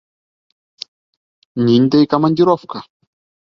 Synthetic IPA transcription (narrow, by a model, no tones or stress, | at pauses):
nind̪ejkamandiɾɔfka